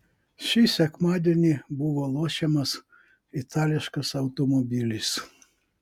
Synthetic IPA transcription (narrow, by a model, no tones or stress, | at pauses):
ʃʲisʲɛkmɑːd̪ʲeɛnʲiːbʊʋoːlˠoːʃʲɛmɐs | ɪt̪ʰɑːlʲɪʃkɐsɐʊt̪ɔmɔbʲɪlʲɪs